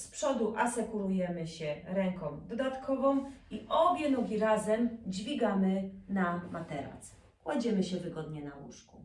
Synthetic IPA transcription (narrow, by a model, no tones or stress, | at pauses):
spʂɔd̪uʔasɛkuɾujɛmɘɕɛɾɛŋkɔ̃md̪ɔd̪at̪kʰɔvɔ̃miʔɔbʲjɛnɔɡʲiɾazɛmd͡ʑvʲiɡamɘnamat̪ɛɾa̰s | kwad͡ʑɛmɘɕɛvɘɡɔd̪ɲɛnawṵʂku